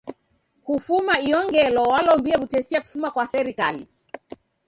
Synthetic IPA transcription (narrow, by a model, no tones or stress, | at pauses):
kufumaiɔŋɡɛlɔwalɔmbiɛβutɛsiaku̥fumakwasɛɾikalḭ